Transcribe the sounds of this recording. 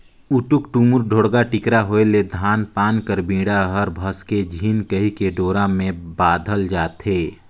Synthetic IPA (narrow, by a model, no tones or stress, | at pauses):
ʊʈʊkʈumʊɾɖʱoːɽɡaʈɪkɾaɦoːeled̪ʱaːnpaːnkəɾbĩːɽaɦəɾbʱəsked͡ʒʱiːnkəɦikeɖoːɾãmẽbaːd̪ʱəld͡ʒaːt̪ɦeː